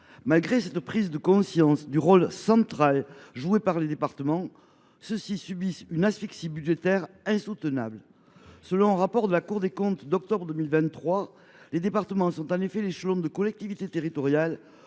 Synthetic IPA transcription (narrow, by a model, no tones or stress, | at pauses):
malɡʁesɛt̪pχizd̪əkɔ̃sjɑ̃sd̪yʁɔlsɑ̃t̪χalʒuepaʁled̪epaʁt̪əmɑ̃ | səsisybisynasfiksibydʒet̪ɛʁ | ɛ̃sut̪əna̰blə | səlɔ̃ɛ̃ʁapɔʁd̪əlakuʁd̪ekɔ̃t̪d̪ɔk̚t̪ɔbʁəd̪əmilvɛ̃nt̪ːχwa | led̪epaʁt̪əmɑ̃sɔ̃t̪ɑ̃nefɛleʃəlɔ̃d̪əkɔlɛk̚t̪ivit̪et̪eʁit̪ɔʁjal